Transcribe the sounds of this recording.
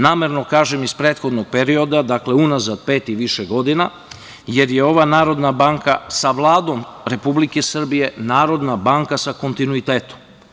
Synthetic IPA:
naːmeɾnokaːʒemispɾeːt̪xo̞d̪noɡ̥̚pe̞ɾio̞d̪ad̪akle̞unazad̪̚pe̞ːt̪iʋiʃeɡo̞d̪ina | je̞ɾjeo̞ʋanaːɾo̞d̪nabaŋkasaʋlˠaːd̪o̞mɾe̞publike̞sr̩bije̞naːɾo̞d̪nabaːŋkasako̞nt̪inuit̪eːt̪o̥m

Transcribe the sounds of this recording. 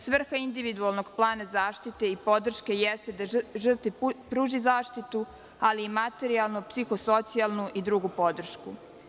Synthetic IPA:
sʋr̩xaind̪iʋid̪ualˠnoɡplˠaːnazaːʃt̪it̪e̞ipo̞d̪r̩ʃke̞jɛst̪ed̪aʒr̩t̪ʋipɾuːʒizaːʃt̪it̪u | aliːmat̪e̞ɾialˠnupsixoso̞t̪sialˠnuʔid̪ɾuɡupo̞d̪r̩ʃku

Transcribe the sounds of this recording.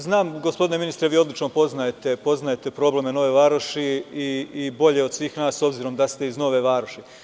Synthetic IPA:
znaːmɡo̞spo̞d̪ine̞minist̪ɾeʋiːo̞d̪lit͡ʃnopo̞znajet̪e̞po̞znajet̪e̞pɾo̞ːble̞me̞no̞ʋe̞ʋaːɾoʃiiːbo̞ʎe̞o̞d̪sʋiːxnaːso̞bziɾo̞md̪ast̪e̞izno̞ʋe̞ʋaːɾoʃi

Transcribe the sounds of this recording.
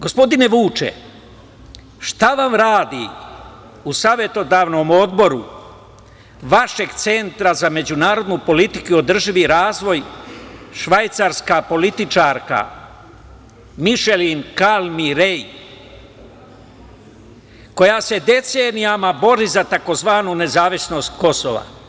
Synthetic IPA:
ɡo̞spo̞d̪ine̞ʋuːt͡ʃḛ | ʃt̪aʋamɾaːd̪i | usaːʋe̞t̪o̞d̪aːʋno̞mo̞d̪bo̞ɾu | ʋaʃe̞ɡt̪se̞nt̪ɾazame̞d͡ʑunaːɾo̞d̪nupo̞lit̪ikuo̞d̪r̩ʒiʋiɾaːzʋo̞j | ʃʋajt̪saɾskapo̞lit̪it͡ʃaɾka̰ | miʃelinkalmiɾej | ko̞jase̞d̪e̞t̪se̞ːnijamabo̞ɾizat̪ako̞zʋaːnune̞zaːʋisno̞st̪ko̞so̰ʋa̰

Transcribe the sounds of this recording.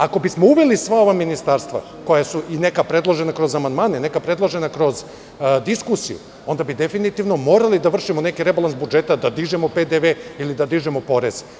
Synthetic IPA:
ako̞bismo̞uʋelisʋao̞ʋaminist̪aɾst̪ʋa̰ | ko̞jasuʔine̞kapɾe̞d̪lˠoʒe̞nakɾo̞zamand̪maːnene̞kapɾe̞d̪lˠoʒe̞nakɾo̞z | d̪iskusḭjṵ | ond̪abid̪efinit̪iʋno̞mo̞ːɾalid̪aʋr̩ʃimone̞kiɾe̞balˠansbud͡ʒet̪ad̪ad̪iʒemoped̪eʋeilid̪ad̪iʒemo̞po̞ɾez

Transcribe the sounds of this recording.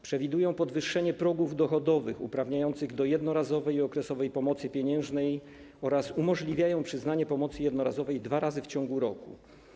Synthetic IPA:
pʂɛvʲid̪ujɔ̃w̃pɔd̪vɘʂːɛɲɛpɾɔɡuvd̪ɔxɔd̪ɔvɘxṵpɾavɲajɔnt̪sɘɣd̪ɔjɛd̪nɔɾazɔvɛjiɔkɾɛsɔvɛjpɔmɔt̪sɘpʲjeɲɛ̃w̃ʐnɛj | ɔɾasumɔʐlʲivʲjajɔ̃w̃pʂɘznaɲɛpɔmɔt̪sɘjɛd̪nɔɾazɔvɛjd̪vaɾazɘft͡ɕɔ̃ŋɡuɾɔkṵ

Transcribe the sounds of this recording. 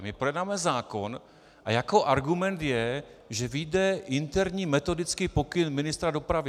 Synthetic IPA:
mɪpɾojɛd̪naːmɛzaːko̞n | ʔajakoʔaɾɡumɛnt̪jɛ | ʒɛvɪjdɛʔɪnt̪ɛɾɲiːmɛt̪o̞dɪt͡skiːpo̞kɪnmɪnɪst̪ɾado̞pɾavɪ

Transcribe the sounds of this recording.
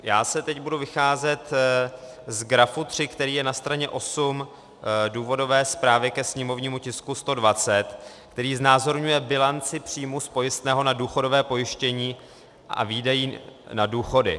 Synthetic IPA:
jaːsɛt̪ɛcbuduvɪxaːzɛt̪ | zɡɾafut̪r̝̥ɪkt̪ɛɾiːjɛnast̪ɾaɲɛʔo̞sum | duːvo̞do̞vɛːspɾaːvjɛkɛsɲɛmo̞vɲiːmucɪskust̪o̞dvat͡sɛt̪ | kt̪ɛɾiːznaːzo̞ɾɲujɛbɪlant͡sɪpr̝̥iːmuspo̞jɪst̪nɛːɦo̞naduːxo̞do̞vɛːpo̞jɪʃcɛɲiː | ʔa̰viːdajiːnaduːxo̞dɪ̰

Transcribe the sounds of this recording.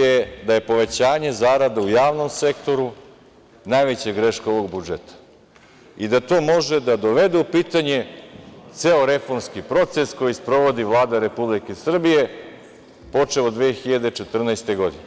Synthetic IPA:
ed̪aje̞po̞ʋe̞t͡ɕaːɲe̞zaːɾad̪aujaːʋno̞mse̞kt̪o̞ɾu | najʋet͡ɕeɡɾeʃkoʋo̞ɡbud͡ʒet̪ḁ | id̪at̪o̞ːmo̞ʒed̪ad̪oʋe̞d̪eupiːt̪aɲe̞t̪seoɾe̞fo̞ɾmskipɾo̞t̪se̞sko̞jispɾo̞ʋo̞d̪iʋlˠaːd̪aɾe̞publikesr̩bije̞ | po̞t͡ʃeod̪ʋexiʎad̪e̞t͡ʃe̞t̪r̩najst̪eɡo̞d̪ine

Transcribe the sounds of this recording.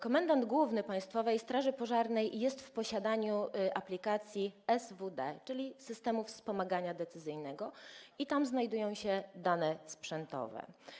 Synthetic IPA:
kɔmɛnd̪and̪ɡwuvnɘpãj̃st̪fɔvɛjst̪ɾaʐɘpɔʐaɾnɛjːɛst̪fpɔɕad̪aɲuʔaplʲikat̪sʲjiɛzvud̪ɛt͡ʂɘlʲisɘst̪ɛmufspɔmaɡaɲad̪ɛt̪sɘzɘjnɛɡɔit̪amznajd̪ujɔ̃w̃ɕɛd̪anɛspʂɛnt̪ɔ̰vɛ̰

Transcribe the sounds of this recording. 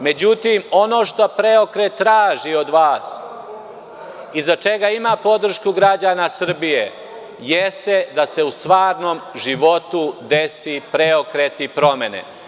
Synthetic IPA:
me̞d͡ʑut̪imo̞no̞ːʃt̪o̞pɾeo̞kɾe̞t̪ːɾaːʒio̞d̪ʋaːs | izat͡ʃe̞ɡaimapo̞d̪r̩ʃkuɡɾad͡ʑaːnasr̩bije̞ | jest̪e̞d̪ase̞ust̪ʋaːɾno̞ːmʒiʋo̞t̪ud̪e̞sipɾeokɾet̪ipɾo̞me̞nḛ

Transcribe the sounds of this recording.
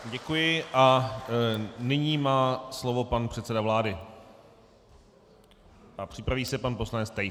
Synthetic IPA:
ɟɛkujɪʔa | nɪɲiːmaːslovo̞panpr̝̥ɛt̪sɛdavlaːdɪ | ʔapr̥ɪpɾaviːsɛpanposlanɛt͡st̪aj

